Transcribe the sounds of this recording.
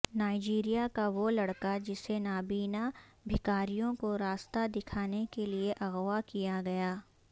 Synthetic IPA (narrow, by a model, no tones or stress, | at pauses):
naːɪd͡ʒiːɾijakaʋolɐɽkad͡ʒɪsenaːbiːnabʱɪkaːɾijõkoɾaːst̪ad̪ɪkʰaːnekelieʔɐɣʋakijaɡɐjaː